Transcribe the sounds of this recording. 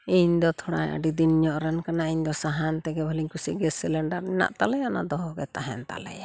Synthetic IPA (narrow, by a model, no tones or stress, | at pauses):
iɲd̪ɔt̪ʰɔɽaja̰ɖid̪inɲɔʔɾɛnkanaiɲd̪ɔsaɦant̪ɛɡɛbʱaliɲkusiɡɛsilɛɳɖaɾɛna̰ʔt̪alɛjana̰d̪ɔɦɔɡɛt̪aɦɛ̰nt̪a̰lɛ̰ja